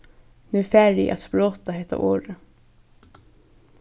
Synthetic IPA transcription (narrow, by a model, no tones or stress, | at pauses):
nʉːfæɹɪ̰ʔɑ̰t̪sploːt̪ɑhɛt̪ɑ̰ʔoːɾə